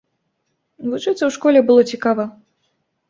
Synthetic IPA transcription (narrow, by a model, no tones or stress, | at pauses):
vut͡ʂɨt̪sɐwʂkɔlʲɛbɨlˠɔt͡sʲikavɐ